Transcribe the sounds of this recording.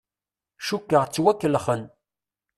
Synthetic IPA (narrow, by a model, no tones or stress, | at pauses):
ʃukːəʁt͡sːwækːəlχən